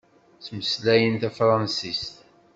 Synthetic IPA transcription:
t͡sməslæjənt̪æfɾˤɑnsist̪

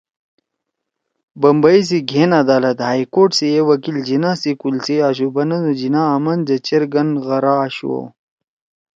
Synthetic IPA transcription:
bɐmbais̬iɡʱenad̪aːlɐt̪haːjkoːʈsiewɐkild͡ʑinasikulsiaːɕubɐnɐd̪ud͡ʑinaːmɐnd͡ʑɐt͡ɕeɾɡɐnɣɐɾaːɕṵo̰

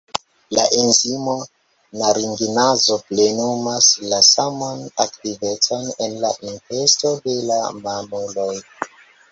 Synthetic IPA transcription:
laʔenzimo | naɾiŋɡinazo̞ple̞numaslasamonaktive̞t͡so̞ne̞nlaʔinfe̞sto̞de̞lamamoloj

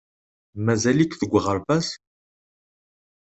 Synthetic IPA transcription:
mæzælikθəɡʷːəʁəɾbæs

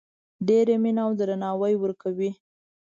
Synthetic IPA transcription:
ɖeɾeminawd̪ɾanɑwəjwəɾkawi

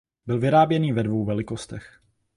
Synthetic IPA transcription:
bɪlvɪɾaːbjɛniːvɛdvowvɛlɪkost̪ɛx

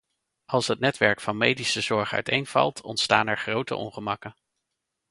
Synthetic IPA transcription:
ʔɑlˠsɦət̚nɛtʋɛɹkfɑnmejdisəzɔɹχœ̰ɥtejnv̥ɑ̰lˠtʰɔ̰ntsta̰ːnɛɹχrowtə̰ʔɔ̰nχəmɑkən

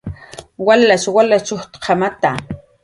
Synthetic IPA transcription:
walːaʃwalat͡ʃoxt̪qʰɑmat̪a

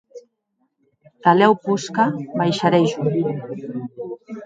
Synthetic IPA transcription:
t̪alɛwpuskabajʃaɾejʒu

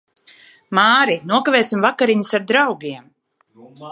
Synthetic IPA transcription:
maːɾinuɔkavɛːsimvakaɾiɲusaɾd̪ɾawɡiɛm

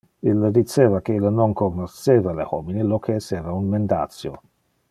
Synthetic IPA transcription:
ilːd̪it͡ʃeːvakeilnonkoɡnoseːvalḛho̰minilokʰeːseːvaunmend̪a̰t̪sjo̰

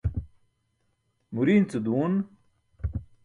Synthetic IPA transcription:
muɾiːnt͡sud̪uːn

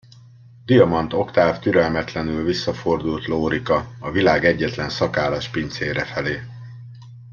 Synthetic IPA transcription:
d̪̥ijɒmɒnt̪o̞kt̪aːft̪yɾɛlmɛt̪lɛnylvisːɒfo̞rd̪ult̪loːɾikɒɒvilaːɡɛɟːɛt̪lɛnsɒkaːlaːʃpint̪seːɾɛfɛleː

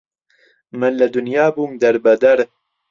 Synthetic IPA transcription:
mɨnlɐd̪ʊnjaːbuːmd̪ɐɾbɐd̪ɐɾ

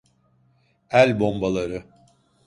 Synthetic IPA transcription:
ælʲbo̞mbalˠaɾɯ

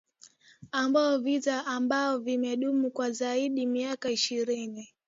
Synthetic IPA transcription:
ambaɔvitaʔambaɔvimɛɗumukwazaiɗimiakaiʃiɾini

